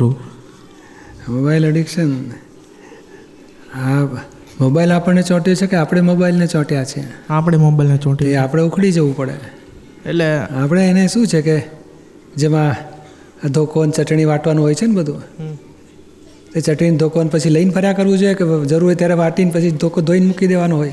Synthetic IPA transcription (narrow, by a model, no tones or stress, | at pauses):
u | mobailəɖikʃən | a | mobailapəɳnet͡ʃɔ̃ʈjot͡ʃʰekeapɽ̃emobailnet͡ʃɔ̃ʈjat͡ʃʰiḛapɳemobailnet͡ʃɔ̃ʈieapɽ̃eukʰɽid͡ʒəʋũpəɽḛn | eleapəɽ̃eːneʃũt͡ʃʰeke | d͡ʒemã | d̪ʱokont͡ʃəʈɳiʋaʈʰʋanũɦojt͡ʃʰenbəd̪ʱũ | t̪et͡ʃəʈɾind̪ʱokonpət͡ʃʰiləinpʰəɾjakəɾʋũd͡ʒojeked͡ʒəɾuɾt̪jaɾeʋaʈinpət͡ʃʰid̪ʱokod̪ʱoinmukid̪eʋanõɦoj